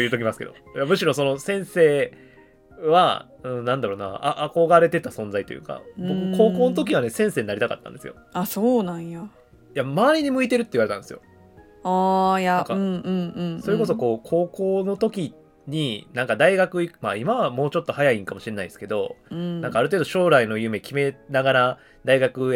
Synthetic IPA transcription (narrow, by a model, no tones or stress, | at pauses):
ojɯ̟ːt̪o̞k̬ʲimasɨ̥ked̪o̞̰ | jamɯ̟ɕiɾõ̞so̞no̞sẽ̞ɰ̃se̞ː | βa̰ | ɯ̟̃ɴnãnd̪aɾo̞ːna̰a̰ʔːko̞ɡaɾe̞t̪e̞t̪asõ̞nd͡zait̪o̞̰jɯ̟̰ːka̰bo̞kɯko̞ːko̞ːnot̪o̞k̬ʲiβane̞sẽ̞ɰ̃se̞ːɲinaɾʲit̪aka̰t̪ːã̰nd̪esɨjo̞̰asoːnãjja | jamaːɾʲiɲ̟imɯ̟it̪e̞ɾɯ̟t̪ːeiβaɾetãnesɨjo̞̰ | aːjaŋkaɯ̃ɴɯ̟̃ɴɯ̟̃ɴso̞ɾe̞ko̞s̬o̞ko̞ːkʰo̞ːko̞ːno̞t̪o̞kʲi | ɲ̟inãŋkad̪aiɡakɯ̟imaimaβamo̞ːt͡ɕo̞t̪ːo̞hajaĩŋkamo̞ɕiɾe̞naiesɨ̥ke̞d̪õ̞nãŋkaːɾɯ̟t̪eːd̪oɕo̞ːɾaino̞jɯ̟me̞kʲime̞naɡaɾa | d̪aiɡakɯ̟